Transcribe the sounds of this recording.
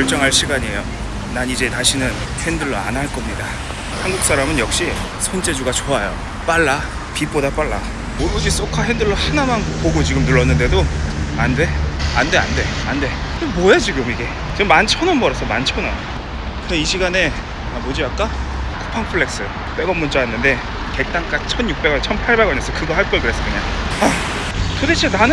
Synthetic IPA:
ʌɭt͡ɕ͈ʌŋɦaɭɕʰiɡaɲiejo | nanid͡ʑe̞taɕʰinɯn | hendɯɭːʌa̰naɭk͈ʌmɲida | hanɡuk̚s͈aɾamɯnjʌk̚ɕ͈i | sʰʌnd͡ʑe̞d͡ʑuɡat͡ɕoajo̰ | p͈aɭːa | pip͈odap͈aɭːa | od͡ʑis͈okʰaɦendɯɭːʌhanamanpoɡot͡ɕiɡɯmnuɭːʌnːɯnde̞doande̞ande̞a̰nde̞ande̞mojad͡ʑiɡɯmiɡe̞ | t͡ɕimːant͡ɕʰʌnɯnbʌɾʌsʰʌmant͡ɕʰʌnɯn | kɯdeiɕʰiɡane̞ | amod͡ʑiak͈a | kʰu̥pʰaŋpʰɯɭːe̞k̚s͈ɯ | p͈eɡʌmːunt͡ɕajanːɯnde̞ | ke̞k̚t͈aŋk͈at͡ɕʰʌnjuk̚p͈e̞ɡʌt͡ɕʰʌmpʰaɭbe̞ɡʌnes͈ʌkɯɡʌɦaɭk͈ʌɭɡɯɾes͈ʌkɯɲaŋa | todet͡ɕʰenanɯ

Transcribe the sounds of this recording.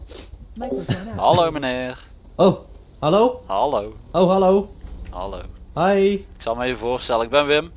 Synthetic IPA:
ɦalowmənɪːr | ow | hɛlowhalowowɦalowha̰lo̰whajɪksɑlˠməəvoːrstɛləɪɡ̚bɛnʋɪm

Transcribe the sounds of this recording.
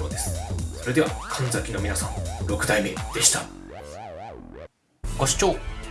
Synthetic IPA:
oːd̪e̞sɨ̥so̞ɾe̞d̪e̞βa̰kʰãnd͡zakʲino̞mʲinasãŋɾo̞kɯ̟t̪aime̞d̪̥e̞ɕi̥t̪a | ɡ̥o̞ɕi̥t͡ɕoː

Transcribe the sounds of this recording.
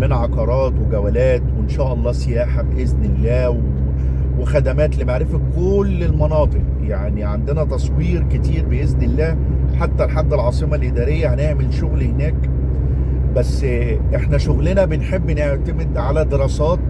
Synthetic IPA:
menʕɑqɑɾˤɑːt̪weɡæwælæːt̪wenʃæːʔɑlˤːɑːsejæːħabeʔeznelːæːw | wexæd̪æmæːt̪libeʕɾefækolːelmɑnɑːt̪ˤɨq̚ | jaʕniʕand̪enæt̪ɑsˤwiːɾket̪iːɾbeʔeznelːæː | ħat̪ːælħad̪ːelʕɑːsˤemɑlʔed̪æːɾejːæhæneʕmelʃoɣlhenæːk | bæsː | ʔeħnæʃoɣlenæbenħebːneʕt̪æmed̪ʕalæd̪eɾˤɑːsɑːt̪

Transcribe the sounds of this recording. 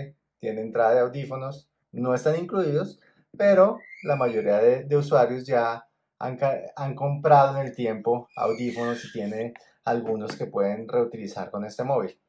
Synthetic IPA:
t̪je̞neːnt̪ɾaðaðeawd̪ifo̞no̞s | no̞e̞st̪aniŋkluiðo̞s | pe̞ɾo̞lamaʝo̞ɾiaðed̪e̞uswaɾjozd͡ʒa | a̰ŋkaaŋko̞mpɾaðoene̞lt̪je̞mpo̞a̰wd̪ifo̞no̞sit̪je̞ne̞ | alɡuno̞ske̞pwe̞ðe̞nre̞ut̪ilisa̰ɾko̞ne̞st̪e̞mo̞βil

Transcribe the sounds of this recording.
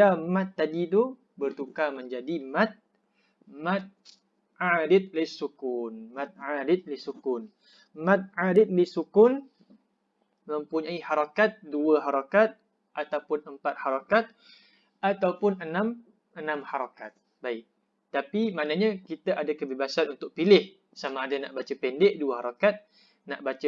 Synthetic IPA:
amãt̪ːadit̪ʊh | bərt̪ukaməɲd͡ʒadimãt̪̚ | mat̪̚ | adɪt̪̚lɪsukunmãt̪̚ʕadɪt̪̚lisukʊn | mãt̪̚ʕadɪt̪̚lisukʊn | məmpuɲaihaɾakat̪̚duəɦaɾakat̪̚ | ʔat̪awpʊnəmpat̪̚haɾakat̪̚ | at̪awpʊnənãm | ənãmhaɾakat̪̚ | baɪk̚ | t̪apimanaɲakit̪aʔadakəbebasanunt̪ʊk̚pilɪh | samaːdanaʔbat͡ʃapɛndɛʔduahaɾakat̪̚ | naʔbat͡ʃa

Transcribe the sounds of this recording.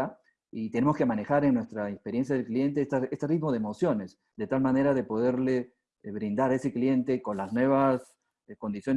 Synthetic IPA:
a | it̪e̞nemo̞skemane̞xaɾeŋnːwe̞st̪ɾaekspe̞ɾje̞nsjaðe̞lklie̞nt̪̬est̪aest̪erit̪mo̞ð̞emo̞sjo̞ne̞s | d̪e̞t̪almane̞ɾaðe̞po̞ðe̞ɾle̞ | βɾind̪aɾaese̞klie̞nt̪e̞ko̞nlaznwe̞β̞as | ko̞nd̪isjo̞n

